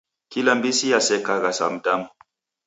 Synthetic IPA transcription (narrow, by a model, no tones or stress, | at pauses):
kilambisijasɛkaɣasa̰m̩damu